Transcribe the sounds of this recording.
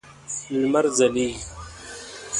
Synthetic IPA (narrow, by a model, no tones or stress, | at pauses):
lmaɾzali